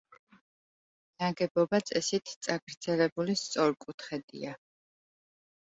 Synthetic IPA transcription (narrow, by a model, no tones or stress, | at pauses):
naɡɛbɔbat̪sʼɛsit̪ʰt̪sʼaɡɾd̪z̥ɛlɛbulist̪sʼɔɾkʼut̪ʰχɛd̪ḭa